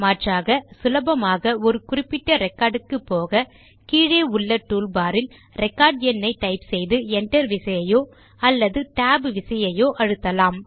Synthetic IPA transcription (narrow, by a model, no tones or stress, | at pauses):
maːʈraːɣɐsʊlɐbɐmaːɣɐɔɾɯkʊrɪpːɪʈːɐɾɛkːaːɾɖɯkːɯpːoːɣɐ | kiːɻeːʊɭːɐʈːuːlbaːɾɪl | ɾɛkːaːɾɖɛnːɐɪʈ̪ɐɪpsɛjðɯɛɳʈɐɾʋɪsɐjɐjoː | ɐlːɐðɯʈaːbʋɪsɐjɐjoːʔɐɻɯt̪ːɐlaːm